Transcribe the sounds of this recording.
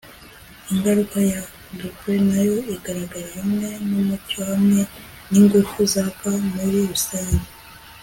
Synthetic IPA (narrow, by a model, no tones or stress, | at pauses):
iŋɡaɾukaja | ndukwenajo̞iɡaɾaɡaɾijemŋe̞numucohamŋe̞ | niŋɡuɾkuzakamuɾiɾusajini